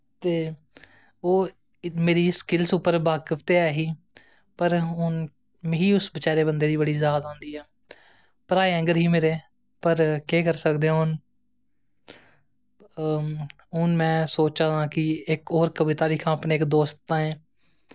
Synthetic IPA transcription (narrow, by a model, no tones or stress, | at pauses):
t̪eː | oː | meːɾiːskɪlsupəɾbaːkəpt̪eːɛːɦiː | pəɾɦʊn | mɦiːʊsbət͡ʃaːɾeːbənd̪eːd̪iːbəɽiːzaːd̪ãːnd̪iːɛː | pəɾaːeɛ̃ːŋɡəɾɦiːmeːɾeː | pəɾkeːkəɾsəkd̪eãɦʊn | ɦʊnmɛ̃ːsoːt͡ʃãːd̪ãːkɪɪkoːɾkəʋɪt̪aːliːkʰãːəpneːkd̪oːst̪ːãːɛ̃ː